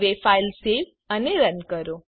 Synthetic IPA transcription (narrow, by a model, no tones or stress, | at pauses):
ʋefailsel | əneɾənkəɾo